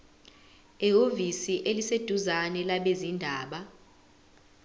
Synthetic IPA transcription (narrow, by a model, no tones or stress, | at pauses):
eovisiʔelised̥ʱuzanɛlaɓezindʱaːɓa